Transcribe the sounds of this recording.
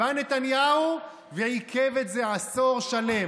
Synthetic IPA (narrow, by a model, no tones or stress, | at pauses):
anet̪anjau | veikʰevet̪zeaso̞ʁʃale̞